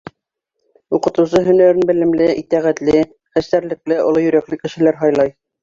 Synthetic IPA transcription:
uqɤ̆t̪ŭs̬ɤɦɵ̆næɾɘnbɘ̆lɘ̆mlɘʔit̪æʁæt̪lɘ | χæst̪æɾlɘ̆klɘŏ̰lˠojɵ̆ɾæklɘkɘ̆ʃɘ̆læɾɦɑjlˠɑj

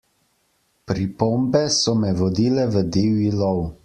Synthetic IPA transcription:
pɾipombɛsɔmɛʋɔd̪iːlɛʋəd̪ewilɔw

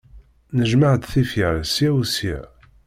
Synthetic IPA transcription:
nəʒmaʕəd̪θifiɾsiæwsiʕ

